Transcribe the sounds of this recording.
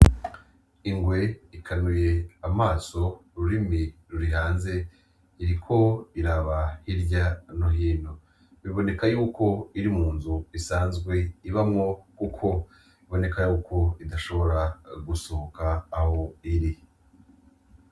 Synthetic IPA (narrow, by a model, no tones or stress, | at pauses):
iŋɡwe̞ikʰanuje̞amaːso̞ɾuɾimiɾuɾiɦaːnze̞ | iɾikʰo̞iɾaβahiɾɟanoɦiːno | βiβo̞ne̞kajuːko̞iɾimuːnzuisaːnzɡwe̞iβamŋo̞kukʰo̞ | iβo̞ne̞kajuːkʰo̞idaʃo̞βo̞ɾaɡusohokaːho̞iɾi